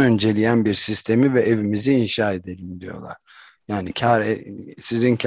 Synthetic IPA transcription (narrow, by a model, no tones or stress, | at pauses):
ø̞nd͡ʒe̞lʲijænbiɾsist̪ʰe̞mivɛʔevimiziːnʃaːe̞d̪e̞lʲimd̪ijo̞̰lˠa̰ɾ̥ | jaːnicʰaɾsizincʰ